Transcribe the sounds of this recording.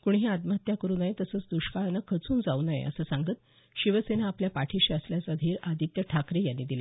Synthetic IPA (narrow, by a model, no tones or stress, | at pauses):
kuɳ̃ɦiat̪məɦət̪jakəɾuːnajet̪əsəːt͡sd̪uɕkanəkʰət͡suːnd͡zaunaj̰ə̰səːsaŋɡət̪ | ɕiʋəsenaːpljapaʈʰiɕəsljasad̪ʱiːɾad̪ʱit̪jəʈʰakɾejanːid̪ila